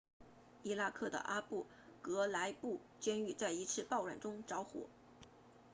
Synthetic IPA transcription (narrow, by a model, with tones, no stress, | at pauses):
i˥la˥˧kʰɤ˥˩d̪ə̰˩ʔa˥pu˥˩ | kɤ˧˥la˧˥ɪpu˥˩ | t͡ɕjɛ˥ny˥˧t͡sa˥˩ɪi˧˥t͡sʰɹ̩˥˧pɑ˥˧ʊɻwa̰˨˩nʈ͡ʂʊ˥ŋʈ͡ʂɑ˧˥ʊxwɔ̰˨˩˦